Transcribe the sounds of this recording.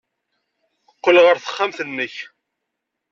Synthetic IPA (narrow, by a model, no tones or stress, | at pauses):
əqːəlʁəɾθə̥χːamθənːəç